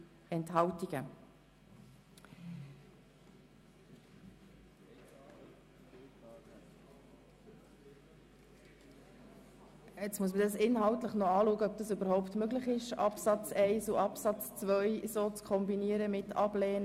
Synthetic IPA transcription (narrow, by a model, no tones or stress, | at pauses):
ɛntɦɑltiɡ̥ə | ɛt͡smuəsmədɑsɪnɦɑltləχnɔɑːluəɡəœb̚d̥̪ɑsybəɾhɔʊptmøɡləχɪʃɑ̰psɑt͡sɛɪsuʔɑpsɑt͡st͡svœjsoːt͡skʰɔmbiniəɾəmɪtʰɑblɛːn